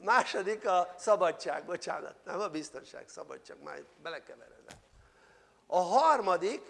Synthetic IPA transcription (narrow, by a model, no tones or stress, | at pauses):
maːʃod̪ikɒsɒbɒt͡ʃt͡ʃːaːɡbo̞t͡ʃa̰ːnɒ̰t̪nɛmɒbist̪o̞nʃa̰ːksɒ̰bɒ̰t͡ʃt͡ʃːaːɡma̰ːt̪bɛlɛkɛvɛɾɛd̪ɛ̰ | ɒɦɒrmɒd̪ik